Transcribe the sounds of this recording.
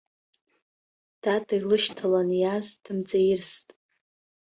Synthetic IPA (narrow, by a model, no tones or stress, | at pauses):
d̥adajlɨʃtʰalanjazd̥ɨmt͡sʼajɪrstʼ